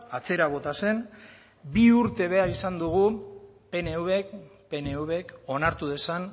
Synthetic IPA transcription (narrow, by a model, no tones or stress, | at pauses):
at͡se̞ɾaβ̞o̞t̪ase̞n | biuɾt̪e̞β̞e̞aɾisand̪uɣ̞u | pe̞ne̞uβekpe̞neuβe̞ko̞naɾt̪uð̞e̞san